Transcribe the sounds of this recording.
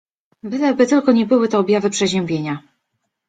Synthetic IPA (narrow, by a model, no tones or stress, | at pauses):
vɘd̪ɛbɘt̪ɘlkɔɲɛbɘwɘt̪ɛːbʲjavɘpʂɛʑɛ̃mbʲjeɲa